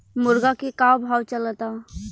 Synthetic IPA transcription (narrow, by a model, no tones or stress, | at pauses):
mʊɾɡakekawbʱaːwt͡ʃələt̪a